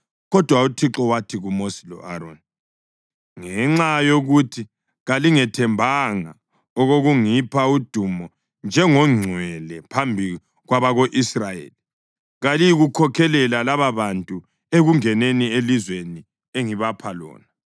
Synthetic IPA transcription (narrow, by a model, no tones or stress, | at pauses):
ɣɔd̥ʱwautʰiǁɔwatʰiɣumosi̥lɔ̰ʔaɾoni | ŋɛŋ͡ǁajoɣutʰi | ɣaliŋɛtʰɛmbʱaŋa | ɔɣoɣuŋipʰaud̥ʱumɔ | nd͡ʒʱɛŋɔŋ͡ǀʱwɛlɛpʰambʱi | ɣwaβaɣoʔisrajḛːli | ɣalijiɣukʰɔkʰɛlɛlalaβaβantʼu | eɣuŋɛnenielizweni | eŋiβapʰalɔ̰ːna